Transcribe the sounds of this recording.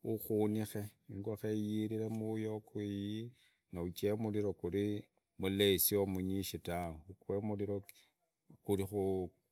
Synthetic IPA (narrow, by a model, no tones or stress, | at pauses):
uxunixe̞iŋɡwaxejiɾiɾemujokwiji | naut͡ʃemuliɾo̞kuɾi | mulesiomuɲiʃitawoukwemuliɾo | kuɾixu